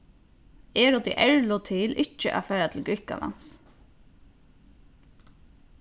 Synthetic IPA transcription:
ɛːɾɔd̪ḭʔɛɹlʊt̪ʰɪlʔɪt͡ʃːəʔa̰fæːɾat̪ʰɪlɡɹɪhka̰la̰ns

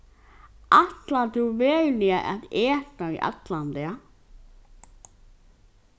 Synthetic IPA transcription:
aht̪lat̪uwvɛːɣlɪaʔɛ̰ðɛːt̪aḭʔa̰t̪lant̪ɛa

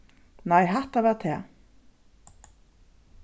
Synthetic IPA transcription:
najɦaht̪avaɾt̪ʰɛ

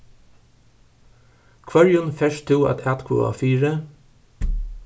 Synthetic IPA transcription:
kʰʋɑɹjʊnfɛʃt̪ʰuːɑ̰t̪ʰæt̪kʰṵːɑ̰ːfiːɹə

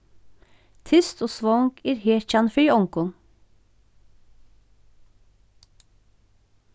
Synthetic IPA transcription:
t̪ʰʏst̪oːsʋɔŋkʰeːɾheːc͡çɑnfiːɔŋkɔŋ

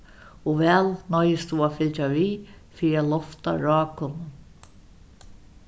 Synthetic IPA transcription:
ɔvɛːlnɔjɪst̪uaːfɪlt͡ʃaviːfiːɾɪalɔft̪a̰ɾɑːkʊnʊn

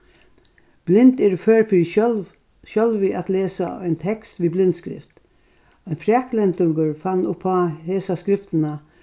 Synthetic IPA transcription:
b̥lɪnt̪æɾføːɾfɔl | ʃœlʋɪʔɑt̪leːsə̰æɪnt̪ʰɛkst̪ʋiːblɪnd̪skɾɪ̰ft̪ | ɛɪnfɾæklɛnt̪ʰʊɡəɹfɑnːʊpʰːɑheːsɑskɾɪft̪n̩ə

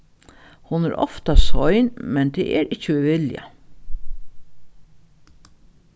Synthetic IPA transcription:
hʊnɛɾɔ̰ft̪asɔjnmɛnt̪ʰɛːʔɛɾʔɪt͡ʃːəiʋɪlja̰

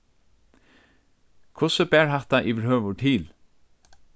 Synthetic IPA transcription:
kʰʊsəbæːɹhɑht̪ɑʔiːʋəɾhøːʋəʈʰiːl

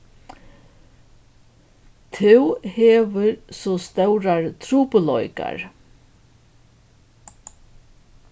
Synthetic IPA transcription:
t̪ʰɪwheːʋəɾsɔst̪œwɾaɹt̪ʰɾuːpʊlɔʏka̰ɹ

